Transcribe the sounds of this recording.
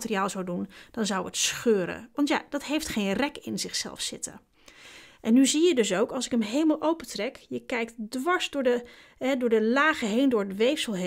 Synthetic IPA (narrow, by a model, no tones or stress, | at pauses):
tːriaːlˠzawdund̥ɑnzʌwətsχøːɾə̰ʋɑntja̰d̥ɑtɦejftχejnrɛkɪnzɪχsɛ̰lˠfsɪ̰tə̰ | ʔɛnːyzijədɵs̬owkɑlˠsɪkəmɦejləmalˠʔowpətrɛkjəkɛjktdʋɑɹzdʊːɹdə | ɦɛdʊːɹdəlaːχəɦejndʊːɹətʋejfsəlˠɦe